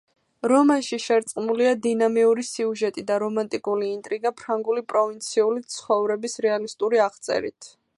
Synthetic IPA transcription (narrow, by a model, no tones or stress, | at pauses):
ɾɔmanʃiʃɛɾt̪sʼqʼmuliad̪inamiuɾisiuʒɛt̪ʼid̪aɾɔmant̪ʼikʼuliːnt̪ʼɾiɡapʰɾaŋɡulipʼɾɔvint̪sʰiulit̪sʰχɔvɾɛbisɾɛalist̪ʼuɾiaʁt̪sʼɛ̰ɾḭt̪ʰ